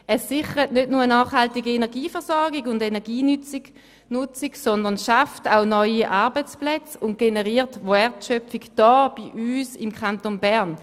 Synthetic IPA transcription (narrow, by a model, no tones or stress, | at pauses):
ɛsɪχəʁətnødnuʁənɑːχhaltiɡiɛnɛɐɡiːfɛʁsɔʁɡiɡʊndɛnɛʁɡiːnyt͡s | nʊt͡siɡsɔndəɐnʃaftaʊnɔʏiʔɑːɐbət͡splɛt͡sʊnt̚ɡ̥enɛʁiːtʋɛʁtʃœpfiɡd̥ɑːb̥iʔyːsɪmkʰantonbɛɐn